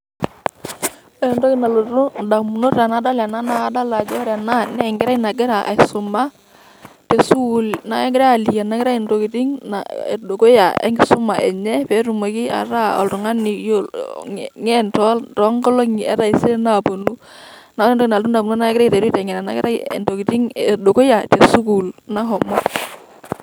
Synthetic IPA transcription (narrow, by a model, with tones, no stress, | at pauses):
ɛ˨ndo˦kɪ˨na˨lo˨ɾu˦nda˨mu˨no˦ta˨na˨˦da˦la˨na˦na˦da˦la˨d͡ʒɔ˦ɾɛ˨na˦nɛ˨ŋɡɪ˦ɾa˦na˨ɡɪ˦ɾa˨ʔa̰˨sʊ˨ma˦ | te˨su˦u˨lna˨ɛ˦ŋɡɪ˦ɾa˦a˨li˨ja˨na˨˦kɪ˦ɾa˦i˨ndo˨ki˨ti˦ŋna̰˨e˨do˨ko˦ja˨ɛ̰˦ŋɡɪ˨sʊ˦ma˨ʔɛ̰˨ɲɛ˦pɛ˨˦ɾu˨mo˨ki˦a̰˨ɾa˦ɔ̰˨ltʊ˨ŋa˦ni˨jo˦ | ŋɛ˦ntɔ˦ltɔ˨˦ŋɡɔ˦lo˦ŋ˨ɛ̰˦ɾa˦˨i˨˦se˦na˨po˨nu˦na˨˦ɛ˦ndɔ˦˨na˨tu˦na˨bu˨nu˦na˦kɾi˨te˨ɾu˦tɛ˨ŋɛ˨ɾa˨na̰˨kɪ̰˦ɾa̰˦˨ndo˨ki˨ti˦ŋe˨do˨ko˦ja˨te˨su˦ku˨lna˦ɦɔ˨mɔ˦